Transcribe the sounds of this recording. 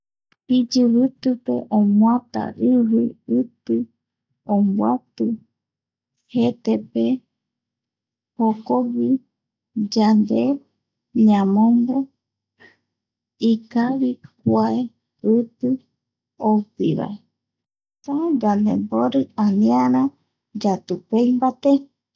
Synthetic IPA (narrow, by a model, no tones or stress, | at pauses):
pid͡ʒɨβɨt̪ɨpḛʔõmw̃at̪a̰ɾɨwiɨt̪ɨ | ombwat̪ɨ | het̪epe | hokoβi | d͡ʒand̪e | ɲãmõmbo | ikaβikʷae | ɨt̪ɨ | opiβa̰e | sad͡ʒand̪ḛmboɾɨanĩãɾã | d͡ʒat̪upejmbat̪e